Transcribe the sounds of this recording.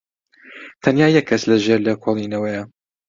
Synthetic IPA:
t̪ʰɐnjaːjɛkʰːɐslɐʒeɾlɐkʰoːlˠinɐwɐjɐ

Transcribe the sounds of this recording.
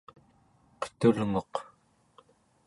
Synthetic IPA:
qə̥t̪ulŋoq

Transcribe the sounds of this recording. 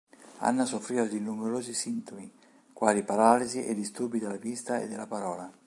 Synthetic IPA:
a̰nːasofɾiːvalinːumɛɾoːzisint̪omi | kwaːlipaɾaːliziʔɛ̰d̪ist̪urbid̪elavist̪aḛd̪ːɪlːapaɾɔːla

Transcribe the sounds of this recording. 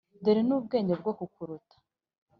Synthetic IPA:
deɾinuːbɡe̞ːɲdeb̚ɡokukuɾutḁ

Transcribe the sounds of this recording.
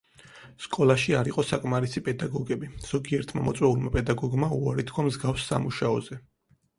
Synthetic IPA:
skʼɔlˠaʃiaɾiqʼɔsakʼmaɾisipʼɛd̪aɡɔɡɛbiz̥ɔɡiɛɾt̪ʰmamɔt̪sʼwɛulˠmapʼɛd̪aɡɔɡmauaɾit̪ʰkʰwamzɡafsːa̰muʃaɔ̰zɛ

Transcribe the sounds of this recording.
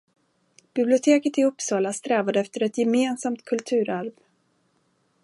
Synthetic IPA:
b̥ɪblɪʊt̪ʰeːkət̪ɪɵpːsɑːlast̪ɾɛːvad̪əɛft̪əɾɛt̪jɛmeːnsamt̪kʰɵlt̪ʰʉ̟ːɾaɾv

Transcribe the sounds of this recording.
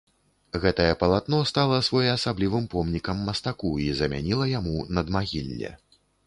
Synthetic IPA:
ɣɛt̪ɐjɛpɐlˠat̪nɔst̪alˠɐsvɔjɛːsablʲivɨmpɔmnʲikɐmːɐst̪akuizɐmʲa̰nʲilˠɐjamunɐd̪maɣʲilʲːɛ̰

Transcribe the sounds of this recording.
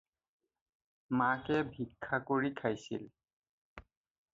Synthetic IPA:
makɛbʱikʰːakoɹikʰajsḭl

